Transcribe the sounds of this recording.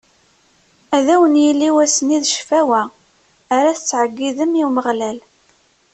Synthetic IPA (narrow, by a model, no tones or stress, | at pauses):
æðæwənjilːiwæsəniðʃfæwæː | ɾæθət͡sːʕəɡːiðəmiwməʁlæl